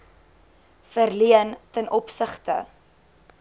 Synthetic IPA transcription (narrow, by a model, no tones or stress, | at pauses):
fərliəntənʔɔpsəχtə̰